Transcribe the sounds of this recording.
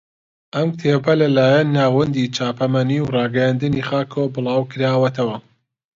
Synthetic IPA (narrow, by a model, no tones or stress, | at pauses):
ʔɐmt̪ʰeːbɐlɐlaːjɐnːaːwɐnd̪iːt͡ʃʰaːpʰɐmɐniwrɑːɡɐjaːnd̪ɨniχaːkʰowbɨlˠɑːwkʰɨɾaːwɐt̪ʰɐwɐ